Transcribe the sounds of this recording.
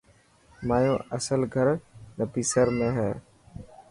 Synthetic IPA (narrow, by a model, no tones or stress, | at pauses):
maːjõːʔəsəlɡʱəɾnəpiːsəɾmẽːɦɛː